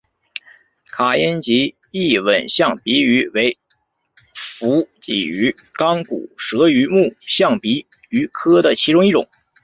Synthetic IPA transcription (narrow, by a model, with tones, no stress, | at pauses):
kʰa˨˩jɛ˥nt͡ɕi˧˥ | i˥˩wə˨˩nɕjɑ˥˩ŋpi˧˥y˧˥we˧˥ɪ | fu˧˥t͡ɕḭ˨˩y˧˥ | kɑ˥ŋkṵ˨˩ʂɤ˧˥y˧˥mu˥˩ɕjɑ˥˩ŋpi˧˥ | y˧˥kʰɤ˥d̪ə˨t͡ɕʰi˧˥ʈ͡ʂʊ˥ŋi˥˩ʈ͡ʂʊ̰˨˩˦